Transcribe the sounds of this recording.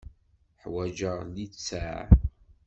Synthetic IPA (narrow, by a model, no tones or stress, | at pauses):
ħwæd͡ʒəʁlit͡sːæʕ